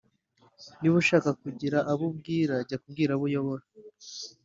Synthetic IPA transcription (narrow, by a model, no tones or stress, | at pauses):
niβuʃaːkakuɟiɾaʔaβub̚ɡiːɾaɟakubɡiːɾaβujo̞βoɾa